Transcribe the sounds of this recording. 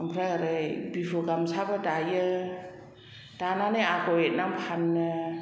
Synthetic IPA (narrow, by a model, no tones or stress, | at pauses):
ɯmpʰɾaaɾɯjbipʰɯɡamsʰabadajɯ | d̥ananɯjakʰɔet̚nampʰanːɯ